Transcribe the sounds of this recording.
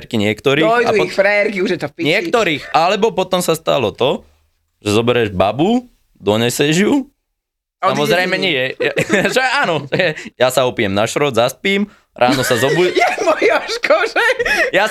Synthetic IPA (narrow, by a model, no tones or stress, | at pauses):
ɾkiɲɪɛkt̪ɔɾiːɔjdauixfɾɛɛɾkiuʒjɛt̪ɔfpiɲɪɛkt̪ɔɾiːxalɛbɔpɔt̪ɔmsast̪a̰lɔt̪ɔ | ʒ̥ɛzɔbɛɾɛʒbabu | d̪ɔɲɛsɛʒju | samɔzɾɛjmɛɲiɛaʒɛʔaːnɔʒɛɛjasaɔpijɛmnaʃɾɔdzaspiːm | ɾʔaːnɔsazɔbumɔjaʃkʰɔʒɛja